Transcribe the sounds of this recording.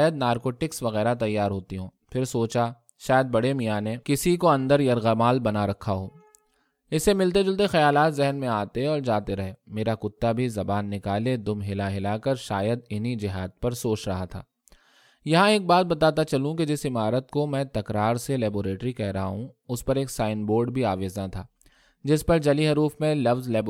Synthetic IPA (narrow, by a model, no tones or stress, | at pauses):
ajəd̪̚naːɾkoːʈɪksʋɐɣɛːɾat̪ɐjːaːɾɦoːt̪iɦõː | fʰɪɾsoːt͡ʃa | ʃaːjəd̪̚bɐɽemijaːnekɪsikoɐ̃nd̪əɾjɐɾɣɐmaːlbɐnaɾɐkʰːaɦoː | ɪsːemɪlt̪̬ed͡ʒʊlt̪̬exɐjaːlaːt̪zɛɦnmẽaːt̪eɔːɾd͡ʒaːt̪eɾɐɦeːmeːɾakʊt̪ːabʱizɐbaːnːɪkaːled̪ʊmɦɪlaɦɪlaːkɐɾʃaːjəd̪ɪnid͡ʒɪɦaːd̪̚pɐɾsoːt͡ʃɾɐɦat̪ʰa̰ː | jɐɦãeːk̚baːt̪̚bɐt̪aːt̪at͡ʃɐlũked͡ʒɪsɪmaːɾət̪̚komɛ̃ːt̪ɐkɾaːɾselɛːboːɾeːʈɾikɛɦɾɐɦaɦũʊspɐɾeːksaːɪnboːɾɖbʱiaːʋeːznat̪ʰaː | d͡ʒɪspɐɾd͡ʒɐliɦɐɾuːfmẽlɐfzlɛːb